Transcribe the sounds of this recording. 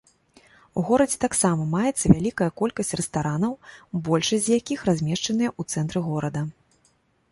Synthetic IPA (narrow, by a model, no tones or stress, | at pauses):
uɣɔɾɐd͡zʲɛt̪aksamɐmajɛt̪sːɐvʲalʲikɐjɐkɔlʲkɐsʲt͡sʲrɛst̪aɾanɐwbɔlʲʂɐsʲjakʲixrazʲmʲɛʂt͡ʂɐn̪ɨjɛʔut̪sɛnt̪ɾɨɣɔɾɐd̪ɐ